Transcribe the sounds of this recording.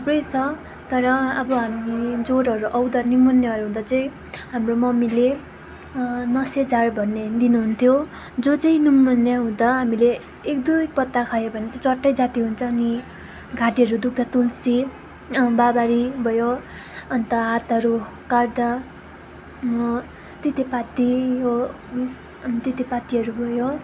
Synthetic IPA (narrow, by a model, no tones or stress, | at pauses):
t̪ʰʌbrʌjt͡sʰʌ | t̪ʌɾʌʌbʌɦamid͡zoɾɦʌɾuʔʌwd̪animʌnːjaɦʌɾuɦũd̪at͡sʌĩ | ɦamromʌmile | nʌsed͡zarbʱʌnːed̪inuɦunt̪ʰjo | d͡zot͡sʌĩnimʌnjaɦũd̪aɦamile | ek̚d̪ujpʌt̪ːakʰajobʱʌnet͡saĩt͡sʌʈːʌjd͡zat̪iɦunt͡sʰʌːni | ɡʱaʈiɦʌɾud̪uk̚ʰd̪ʌt̪ulsi | babaɾibʱʌjoʌnt̪ʌɦat̪ʌɾu | kard̪a | t̪it̪epat̪iɦo | is | t̪it̪epat̪iɦʌɾubʱʌjo